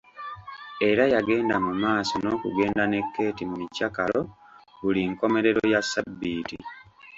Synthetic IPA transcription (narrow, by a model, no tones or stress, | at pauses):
e̞ɾajaɡe̞ːnda̰mumaːso̞no̞ːkṵɡe̞ːndane̞kːe̞ːtimuicːakalo | βuliŋko̞me̞ɾe̞ɾojasːabːiːti